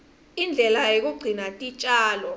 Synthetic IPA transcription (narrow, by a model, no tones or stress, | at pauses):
ind͡ɮʱɛlajek̬uɡ͡ǀʱinatʼit͡ʃʼaːlɔ